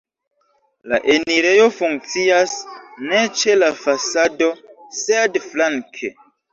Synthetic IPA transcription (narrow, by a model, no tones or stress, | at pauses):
laʔe̞niɾe̞jo̞fuŋk̚t͡siasne̞t͡ʃe̞lafasado̞sedflaŋkʰḛ